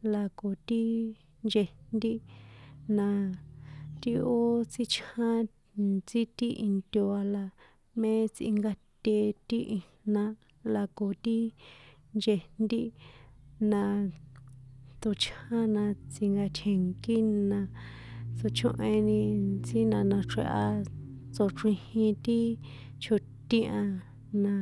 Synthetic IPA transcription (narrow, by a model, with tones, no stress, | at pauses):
la˧ko˨t̪i˦ | nd͡ʒe˧nd̪i˦ | nã˧ | t̪i˦o˦t͡si˦t͡ʃã˦ | t͡si˦t̪i˦ʔi˧nt̪ʲo˧a˧la˧ | mẽ˦t͡sḭ˧ŋɡa˧t̪ʲe˧t̪i˦ʔi˧nnã˧ | la˧ko˨t̪i˦ | nd͡ʒe˧nd̪i˦ | nã˧ | t̪o˧t͡ʃʰã˦nã˧t͡si˧ŋɡa˧t͡ʃʰe˨ŋki˦nã˧t͡so˧t͡ʃõ˦ʔẽ˧nĩ˧t͡si˦nã˧nã˧ʈ͡ʂḛ˧ʔa˧ | t͡so˧˨ʈ͡ʂĩ˧hĩ˧t̪i˦ | t͡ʃʰu˧ | t̪ĩ˦ʔã˧ | nã˧